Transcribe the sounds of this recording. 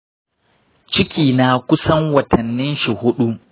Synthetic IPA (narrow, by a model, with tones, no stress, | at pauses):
t͡ʃɪ˦kʲiː˨naː˨kʷʊ˦sɐ˦ŋwɐ˨tʰɐ˨nːɪ˦nʃi˨hʊ˦ɗu˦